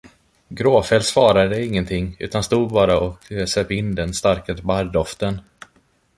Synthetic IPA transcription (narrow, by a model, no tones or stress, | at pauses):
ɡɾoːfɛlsvɑːɾad̪əɪŋːənt̪ʰɪŋːʉ̟ːt̪anst̪uːd̪̚bɑːɾaɔksœːpɪnd̪ɛnst̪aɾkat̪baɾd̪ɔft̪ən